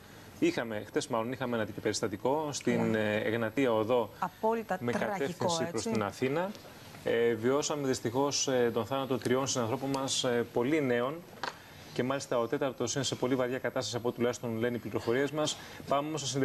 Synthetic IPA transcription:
ixɐme̞xθe̞zmɐlo̞nixɐmeenɐt̪icope̞ɾist̪ɐt̪iko̞st̪ineɣnɐt̪iɐoðo̞ɐpolit̪mekɐt̪efθissipɾost̪inɐθinɐ | evio̞sɐme̞ðist̪ixo̞set̪o̞nθɐnɐt̪ot̪ɾio̞nsinɐnθɾo̞po̞nmɐspo̞line̞o̞n | ce̞mɐlist̪ɐot̪e̞t̪ɐɾt̪o̞sine̞se̞po̞livɐɾʝɐkɐt̪ɐst̪ɐsiɐpoet̪ulɐçist̪o̞nlenipliɾo̞fo̞ɾiezmɐs | pɐmeomosesind̪

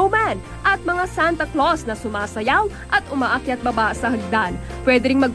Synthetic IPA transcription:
wman | ʔɐt̪̚mɐŋasant̪ɐklosnɐsʊmaːsɐjaw | ʔɐt̪ʊmaːʔakjɐt̪̚bɐbasɐhɐɡ̚d̪anpwɛːd̪ɛɾɪŋmɐɡ̚

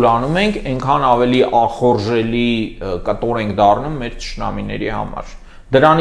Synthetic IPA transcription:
lɑnumɛŋkʰɛŋkʰɑnɑvɛliʔɑχɔɾʒɛlikət̪ɔɾɛŋkʰd̪ɑrnumːɛɾt͡ʃə̥ʃnɑ̰minɛ̰ɾḭhɑ̰mɑ̰ɾ | d̪əɾɑn

